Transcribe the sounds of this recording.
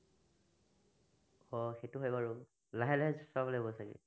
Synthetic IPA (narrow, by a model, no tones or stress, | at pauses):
ɔxejtʊɦojbaɹʊ | laɦɛlaɦɛzɔsablbɔsakḭ